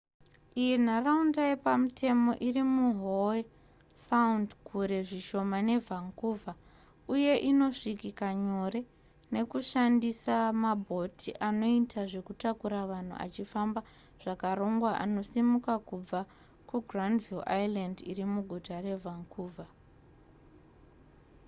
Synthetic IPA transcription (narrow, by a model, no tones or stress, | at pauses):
ijin̤araundajepamutʰe̞mo̞ʔirimuɦowe | saundkʰuɾe̞ʐiʃo̞mane̞vʱaŋkuvʱa | uje̞ʔino̞ʂikikaɲo̞ɾe̞ | ne̞kuʃandisamabʱo̞tʰiʔano̞itʰaʐe̞kutakuɾaʋan̤ṵʔa̰t͡ʃifamba | ʐ̥akaɾo̞ŋɡwaʔa̰no̞simukakub͡va | kuɡʱrandvilajlandirimuɡʱutare̞vʱaŋkʰuːvʱa